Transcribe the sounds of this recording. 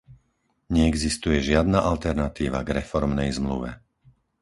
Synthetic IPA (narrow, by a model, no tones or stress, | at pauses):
ɲɛɛɡzist̪ujɛʒɪad̪naʔalt̪ɛɾnat̪iːʋa̰ɡɾɛfɔɾmnɛjzmlṵʋɛ̰